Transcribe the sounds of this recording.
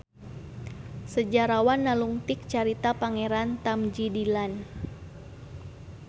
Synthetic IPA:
səd͡ʒaɾawanːaluŋt̪ɪk̚t͡ʃaɾit̪apaŋeɾant̪amd͡ʒidilan

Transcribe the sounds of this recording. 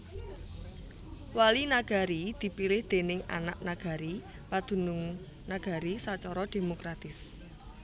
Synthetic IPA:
walinaɡ̥a̤ɾid̪̥i̤pilɪhd̪̥e̤nɪŋa̰na̰ʔ̚naɡ̥a̤ɾi | pad̪̥ṳnʊŋ | naɡ̥a̤ɾisat͡ʃɔɾɔd̪̥e̤mokɾat̪ɪs

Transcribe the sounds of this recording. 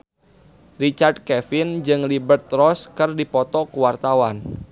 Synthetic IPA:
rit͡ʃard̚kɛfɪnd͡ʒɨŋlibərt̪̚rɔskɨrdipɔt̪ɔkuwart̪awan

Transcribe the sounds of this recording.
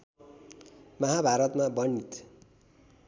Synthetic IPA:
mʌɦabʱaɾʌt̪mabʌnːit̪

